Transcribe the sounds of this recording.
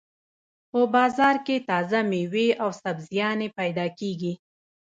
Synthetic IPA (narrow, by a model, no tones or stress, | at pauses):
pəbɑzɑɾket̪ɑzameweawsabzjɑnepajd̪ɑkeɡi